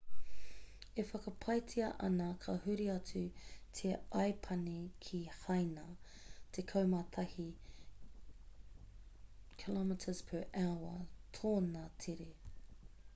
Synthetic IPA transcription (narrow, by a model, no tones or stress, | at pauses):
efɐkɐpʰɐjt͡sʰiɐʔɐnɐkʰɐhʉɾiɐt͡sʉtʰeɐjpʰɐnikʰihɐjnɐ | tʰekʰɐwmɐt̪ʰɐhi | kʰilɔmɪtʰəz̥pʰɛɹʔawɐ̰tʰoːnatʰeɾe